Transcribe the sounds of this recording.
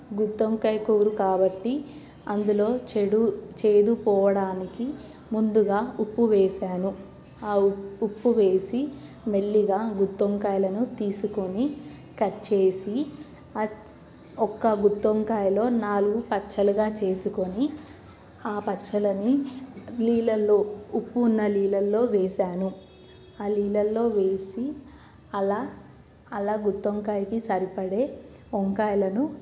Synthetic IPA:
ɡud̪ːoŋkɐjkuːɾukaːbɐʈːi | ɐnd̪ulo̞ːt͡ʃeɽut͡ʃe̞ːd̪upɔːʋɐɽaːniki | mund̪uɡaːupːuʋɛːʃaːnu | aːupːuʋe̞ːsi | meɭːiɡaːɡut̪ːoŋkaːjlɐnut̪iːsuko̞ni | kɐt͡ʃe̞ːsi | ɐ | ɔkːɐɡut̪ːoŋkaːjɐlo̞ːnaːluɡupɐtːt͡ʃɐluɡaːt͡ʃe̞ːsuko̞ni | aːpɐtːt͡ʃːɐlɐni | liːlɐlːoːupːunːɐliːlɐlːo̞ːʋeːsaːnu | aːliːlɐlːo̞ːʋe̞ːsi | ɐlaː | ɐlaːɡut̪ːoŋkaːjkisɐɾipɐɽe̞ː | ɔŋkaːjɐlɐnu

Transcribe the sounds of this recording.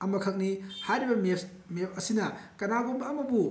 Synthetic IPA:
ɐmɐkʰɐk̚nihajɾibɐme | mep̚ʰɐsinɐkɐnaɡombɐːmɐbu

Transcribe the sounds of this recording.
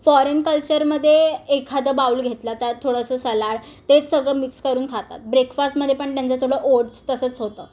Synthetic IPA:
fɔɾenkəlt͡ɕəɾməd̪ʱːjeːkʰad̪əbauːlɡʱet̪lat̪at̪ʰːoɽəsəːsəlaɽ | t̪et͡ssəɡɭəmikskəɾuːnkʰat̪a̰t̪̚bɾekfasʈməd̪ʱːjepəɳt̪jant͡sət̪ʰoɽəʔoʈst̪əsət͡sɦot̪əː

